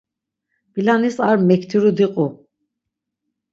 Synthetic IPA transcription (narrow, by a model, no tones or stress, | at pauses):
b̥ilanisaɾmɛkʰt̪ʰiɾud̪iqʼu